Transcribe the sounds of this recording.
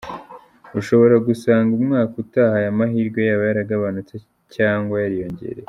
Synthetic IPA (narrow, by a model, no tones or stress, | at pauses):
uʃo̞βo̞ɾaɡusaːŋɡumŋaːkutahajamaɦiːɾɡwe̞jaβajaɾaɡaβanut͡se | caːŋɡwajaɾijo̞ɲɟe̞̰ɾe